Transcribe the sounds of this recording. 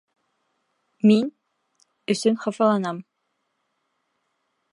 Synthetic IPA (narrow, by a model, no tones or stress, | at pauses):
min | ɵ̆sɵnχɑfɑlˠɑnɑm